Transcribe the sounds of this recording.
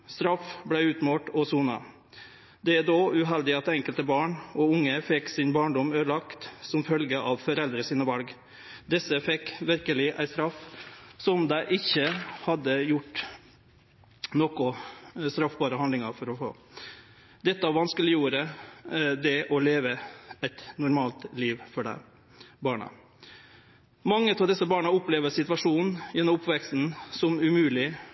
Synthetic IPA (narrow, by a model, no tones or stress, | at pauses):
st̪ɾɑfblæɪʉːt̪moːʈɔsuːnɑ̰ | d̪ɛæd̪oːʉɦɛld̪ɪɑt̪d̪ɛɛŋkəlt̪əbɑːɳɔʊŋːəfɛksɪnbɑːɳɖɔmøːlɑkt̪sɔmfœlɡəʔɑʋfɔɾɛld̪ɾəsiːnəʋɑlɡ | d̪ɛsːəfɛkːʋɪɾkəlɪʔæ̰ɪst̪ɾɑfːsɔmd̪æɪʔɪçːəhɑd̪ːəjʊʈː | nokʊst̪ɾɑfbɑːɾəhɑnd̪ɪŋɑɾfɔɾɔfo̰ː | d̪ɛt̪ːəɑʋɑnskəlɪjuːɾə | d̪ɛʔɔleːʋəæɪt̪nʊɾmɑːlt̪liːʋfɔɖæ̰ɪ | bɑːɳə̰ | mɑŋːət̪ʰɑːʋd̪ɛsːəbɑːɳəʊplɛːʋəsɪt̪ʋɑʂuːn̩jɛnːɔmʊpʋɛksn̩sɔmʉmʉːlɪ